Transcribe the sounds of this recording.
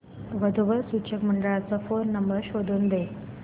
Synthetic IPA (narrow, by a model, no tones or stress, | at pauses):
ʋəd̪ʱuʋəɾsut͡ɕəkməɳɖəɭat͡səfonːəmbəɾɕod̪ʱuːnd̪e